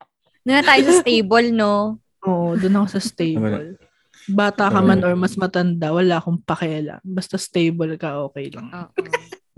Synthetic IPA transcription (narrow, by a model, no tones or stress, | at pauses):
nɐŋat̪aːjosɐst̪ejbolno | ʔoːʔod̪ʊnɐkosɐst̪ejbo̰l | baːt̪ɐkɐmanoɹmɐsmɐt̪ɐnd̪awɐlaːkoŋpɐkɪjala̰bɐst̪ast̪ejbolkɐʔo̞ːkɛjlɐŋo